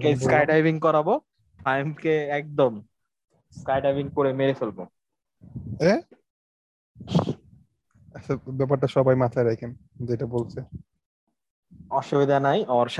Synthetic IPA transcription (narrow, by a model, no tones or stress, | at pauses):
keskajɖajbiŋkɔɾabo | pajmkeɛk̚d̪om | skajɖajbiŋkoɾemeɾefʰelbo | e | ɛt͡ʃʰabɛp̬aɾʈaʃɔbajmat̪ʰaeɾɛkʰemd͡ʑeʈabolt͡ɕʰe | ɔʃubid̪ʱanajʔɔɾʃ